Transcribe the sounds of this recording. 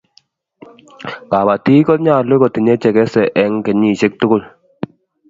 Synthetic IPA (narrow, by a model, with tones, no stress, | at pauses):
ka˨ba˨ti˦kɔ˦t̚ɲa˦˨le˦kɔ˨ti˨ɲɛ˦t͡ʃɛ˨kɛ˦sɛ˨ʔɛ˦ŋkɛ˨ɲi˨ʃe˦k̚tʊ˦kʊ˦˨l